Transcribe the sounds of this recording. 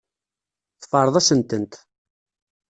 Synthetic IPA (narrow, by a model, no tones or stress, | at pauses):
θfəɾˤəðˤæsənt̪ənt̪